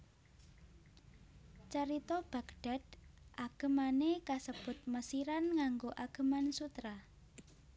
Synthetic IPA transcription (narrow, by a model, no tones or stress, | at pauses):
t͡ʃəɾit̪ɔb̥a̤kɖ̥a̤d̪̥ʔaɡ̥ə̤manekasəb̥ʊt̪̚məsiɾanŋaŋɡoʔaɡ̥ə̤mansut̪ɾa